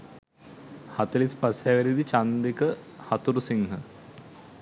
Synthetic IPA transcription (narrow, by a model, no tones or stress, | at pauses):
hɐt̪ɐlispasjaːʋeɾid̪it͡ʃand̪ikəhɐt̪uɾusiŋɦə